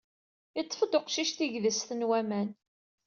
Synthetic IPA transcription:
it͡sˤːə̥fəd̪oqʃiʃt̪iʝðəsθənwæmæn

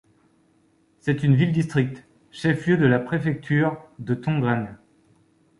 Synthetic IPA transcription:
sɛt̪ynvild̪ist̪χik̚t̪ | ʃɛfljød̪əlapχefɛk̚t̪ʰyːʁd̪ət̪ɔ̃ɡʁan

